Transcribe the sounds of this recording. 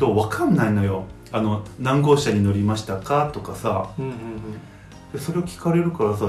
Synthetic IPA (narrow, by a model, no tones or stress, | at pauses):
t̪oːβakʰãnːainojo̞ | ano̞nãŋɡo̞ːɕaɲ̟ino̞ɾʲimaɕi̥t̪akat̪o̞kasã | d̪̥eso̞ɾe̞okʲi̥kaɾe̞ɾɯ̟kaɾasa